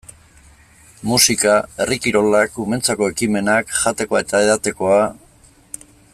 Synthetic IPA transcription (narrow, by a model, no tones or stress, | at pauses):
musikae̞rikiɾo̞lakume̞nt͡sako̞e̞kime̞nakʝat̪e̞ko̞aet̪ae̞ðat̪e̞ko̞a